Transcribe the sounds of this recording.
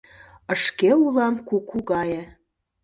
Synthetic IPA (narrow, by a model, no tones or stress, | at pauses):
əʃkeulɑmkukʰuɣɑje